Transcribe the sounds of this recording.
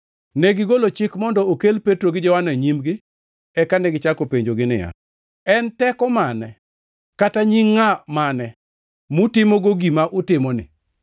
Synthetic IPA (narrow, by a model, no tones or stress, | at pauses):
neɡɪɡolot͡ʃɪkmɔndɔokelpetɾoɡɪd͡ʒɔwanaɲimɡɪ | ɛkanɛɡɪt͡ʃakopeɲd͡ʒoɡɪnɪ̰ja̰ | ɛntɛkɔmanɛ | kataɲiŋːamanɛ | mutɪmoɡoɡimaʔʊtɪmɔnɪ̰